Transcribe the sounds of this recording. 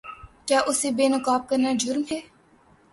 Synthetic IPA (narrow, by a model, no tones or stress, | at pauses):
kjaːʔʊseːbeːnəkaːp̚kəɾnaːd͡ʒʊɾmɦeː